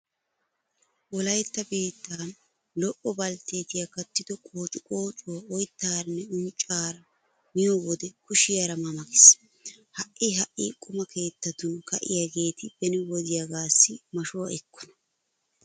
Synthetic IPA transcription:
wɔlɐjt̪ːɐbiːt̪ːaːn | lɔʔɔbɐlt̪e̞ːt̪ɪjakɐt̪ːɪd̪ɔkʼoːt͡ʃʼʊkʼoːt͡ʃʼoɔjt̪ːaːɾɐnːɛʊnt͡ʃʼːaːɾɐ | mɪjowɔd̪ɛkʊʃɪjaɾɐmɐmɐkɪ̥s | hɐʔɪɦɐʔikʼʊmɐkʰe̞ːt̪ːɐt̪ʊnkɐʔɪ̰jaɡe̞ːt̪ɪb̥ɛnɪwɔd̪ɪjaɡaːsːɪmɐʃowɐɛkʰːɔ̥nɐ̥

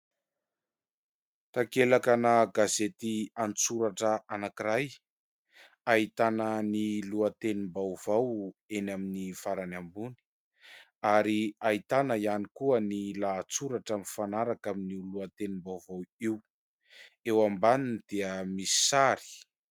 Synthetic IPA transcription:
t̪akelakanəɡazet̪ianit͡suɾaʈ͡ʂəʔanakiɾaj | ait̪anəniluat̪enimbawv̥awenaminifaɾanambuni̥ | aɾiait̪anəianikuənilat͡suɾaʈ͡ʂamfanaɾakaminiuluat̪enimbawvawiw | ewambaninid̪̥eəmisi̥saɾi̥

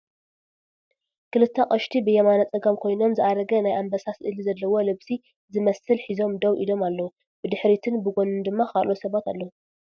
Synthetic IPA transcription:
kʰɨlɨt̪ʰːɐqʼɐʃt̪ʰibɨjɐmanat͡sʼɨɡɐmkʰo̞jno̞mzɨʔaɾɐɡɐnajʔambɐsasʔɨlizɐlːɐwo̞lɨβsi | zɨmɐsɨlħizo̞md̪owʔḭlo̞malːɐwu | b̥ɨd̪ɨħɾit̪ʰɨnbɨɡonɨnd̪ɨmːakʰalʔosɐβat̪alːɐwu

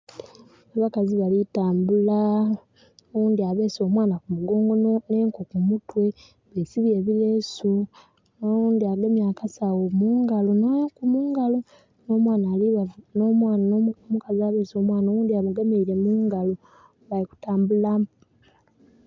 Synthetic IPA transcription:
aβakaziβalitaːmbula | uːndiaβe̞ːso̞ːmwaːnakumuɡoːŋɡonone̞ːŋkokumutwe̞ | βesiβjeːβilesu | nouːndiaɡemjakasawomuːŋɡalonokumuːŋɡalo | no̞ːmwaːnalianoːmwannommukaziaβe̞ːso̞ːmwaːnaowuːndiaβuɡemeiɾe̞muːŋɡalo | βaliku̥taːmbulam

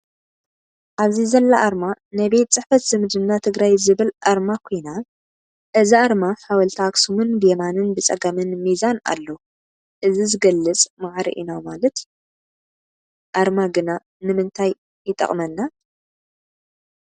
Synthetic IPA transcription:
ʔaβzizɐlːaʔaɾmanajbe̞t̪̚t͡sʼɨħfɐt̪z̥ɨmɨd͡ʒɨmnat̪ʰɨɡɾajzɨβɨlʔaɾmakʰo̞jna | ʔɨziʔaɾmaħawɐlt̪ʰaksumɨnbɨjemanɨnbɨt͡sʼɐɡamɨnmizana̰lːo | ʔɨzizɨɡɐlːɨt͡sʼmaʕɾḭʔḭnamalɐt̪ | ʔaɾmaɡɨna | nɨmɨnt̪ʰaj | jɪt̪ʼɐ̰χʼmɐnːa

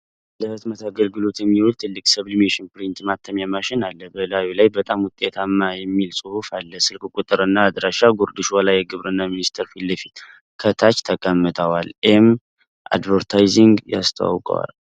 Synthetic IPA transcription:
lət̪mət̪ʰaɡəlɡɨlo̞t̪jɛmːiwʊlt̪ʰɨlːɨkʼsəβlmeʃɪnpɾint̪mat̪ʰːəmjamaʃɪnalːəbəlawilajbət̪ʼamwʊt̪ʼːet̪ʰamːajɛmːilsʼɨhufalːəsɨlkʼkʷʼut̪ʼɨɾɨnːaːd̪ɾaʃaɡoɾd̪ɨʃwalajːɛɡɨβɾɨnːaminist̪ʰəɾfilːəfit̪ | kʰət̪ʰat͡ʃt̪ʰəkʼəmːɨt̪ʰʼəwalʔem | ʔa̰d̪vəɾt̪ʰajziŋɡja̰st̪ʰa̰wa̰wkʼə̰wa̰l

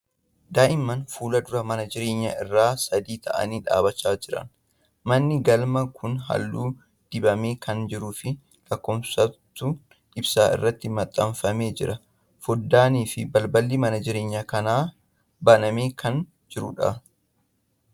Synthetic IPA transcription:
d̪aːʔɪmːɐnfuːlɐd̪ʊɾɐmɐnɐd͡ʒɪɾe̞ːɲːɐʔɪrːaːsɐd̪iːt̪ʰɐ̰ʔɐ̰niːᶑa̰ːbɐt͡ʃːaːd͡ʒɪɾɐ̰n | mɐnːɪɡɐlmɐkʰʊnɦɐ̰lːuː | d̪̥ɪbɐme̞ːkʰɐnd͡ʒɪɾuːfɪ | lɐkːɔːmsɐt̪ːʊ | ɪbsaːɪ̰rːɐt̪ːɪmɐt̪ʼːɐmfɐme̞ːd͡ʒɪɾɐ | fɔd̪ːaːniːfɪbɐlbɐlːimɐnɐd͡ʒɪɾe̞ːɲːɐkɐnaː | bɐnɐme̞ːkʰɐn | d͡ʒɪɾʊ̰ᶑɐ̰

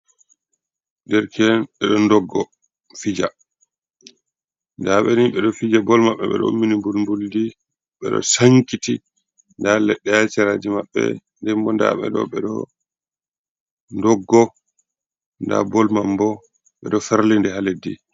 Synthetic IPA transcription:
ndɛɾkʰɛnɓɛɗɔndɔɡːɔ | fid͡ʒa | ndaɓɛniɓɛɗɔfid͡ʒabɔlmaɓːɛɓɛ̰ɗɔ̰mːinimbulmbuldi | ɓɛ̰ɗɔ̰saŋkiti | ndalɛɗːɛjat͡ʃɛɾaːd͡ʒimaɓːɛ̰ndɛmbɔnda̰ɓɛ̰ɗɔ̰ɓɛɗɔ̰ | ndɔɡːɔ | nda̰bɔlmambɔ | ɓɛɗɔfaɾlindɛhaledːi

